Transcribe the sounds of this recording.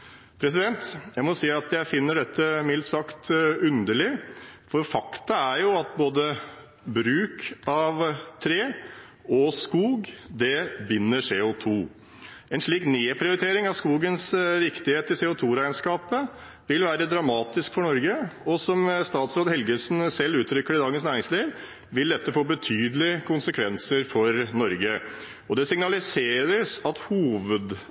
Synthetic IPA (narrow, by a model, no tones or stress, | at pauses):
pʰɾɛs̬ɪd̪ɛnt̪jæɪmɔsiːɑt̪jæɪfɪnːəɖɛt̪ːəmɪlt̪sɑkt̪ʉnd̪əɭɪfɔɾfɑkt̪ɑæɾjʊɑt̪̚boːd̪ə | bɾʉːkɑʋt̪ʰɾeː | ɔskuːɡd̪ɛbɪnːəʂeːʊt̪ʰuː | ɛnʂɭiːkneːpʰɾɪʊɾɪt̪ʰeːɾɪŋɑʋskuːɡənsʋɪkt̪ɪheːt̪əɪseːʊt̪ʰuːɾæɪənskɑːpə | ʋɪlʋæːɾəd̪ɾɑmɑːt̪ɪskfɔɳɔɾɡəɔsɔmst̪ɑːt̪sɾoːd̪hɛlɡəsnsɛlːʉːt̪ʰɾʏkːəɾɪd̪ɑːɡənsnæːɾɪŋsliːʋ | ʋɪld̪ɛt̪ːəfoːbət̪ʰyːd̪əlɪəkʰʊnsəkʰʋɛnsəɾfɔɾnɔɾɡə | ɔd̪ɛsɪŋnɑlɪseːɾəsɑt̪huːʋəd̪